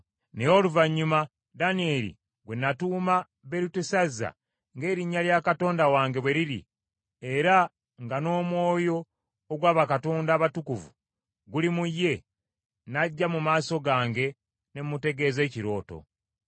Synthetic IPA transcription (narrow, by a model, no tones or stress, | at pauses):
nejo̞luvaɲːuma | danie̞lḭ | ɡwe̞nːatuːma | βe̞ɾutesazːa̰ | ŋɡe̞ːɾiɲːaljakato̞ːndawaːŋɡe̞βwe̞ɾilḭ | e̞ɾa | ŋɡano̞ːmwo̞ːjo̞ː | ɡwaːβakato̞ːndaːβatukuvṵ | ɡulimujːe̞ | naɟːamumaːso̞ɡaːŋɡe̞ | nemute̞ɡe̞ːze̞ːciɾo̞ːto̞̰